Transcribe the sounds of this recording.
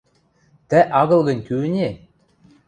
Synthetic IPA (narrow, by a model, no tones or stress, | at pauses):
t̪æʔɑɣɤ̆lˠɣɤ̆nʲkyɘnʲe